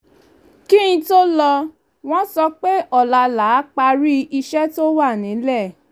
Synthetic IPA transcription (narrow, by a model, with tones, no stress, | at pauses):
ki˦ĩ˧to˦lɔ˧ | w̃ɔ̃˦sɔ˧k͡pe˦ʔɔ˦˨la˧la˨˦k͡pa˧ɾi˦i˧ʃɛ˦to˦wa˦˨nĩ˨˦lɛ˦˨